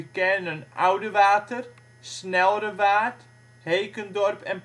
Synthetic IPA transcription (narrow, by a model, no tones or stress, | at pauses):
əkɛnənʔawdəʋaːtər | snɛlˠəɾəʋaːt | hejkəndɔrpɛn